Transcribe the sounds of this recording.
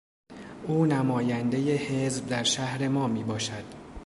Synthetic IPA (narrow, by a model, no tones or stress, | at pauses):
uːnæmɒːjænd̪e̞je̞he̞zb̚d̪æɾʃæhɾe̞mɒːmiːbɒːʃæd̪̥